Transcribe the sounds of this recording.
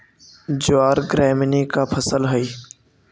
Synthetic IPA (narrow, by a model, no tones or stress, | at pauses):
d͡ʒoaːɾɡɾɛːmnikapʰəsəlɦəi